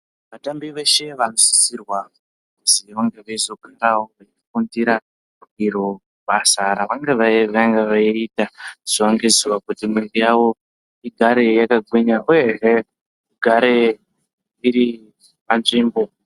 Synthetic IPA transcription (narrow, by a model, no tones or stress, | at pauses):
ʋatambiʋe̞ʃe̞ʋano̞si̥sirwa | kuziʋaŋɡeʋaizo̞kaɾaoʋaifundiɾa | uiɾo | ɓasaɾaʋaŋɡeʋaʋaŋɡeʋaiitaz̥iʋaŋɡeziʋakutimirijawo̞ | iɡʱaɾe̞jakaɡʱwiɲaʔuje̞ɦe | iɡʱaɾe̞ | iɾi | panʐiːmbo̞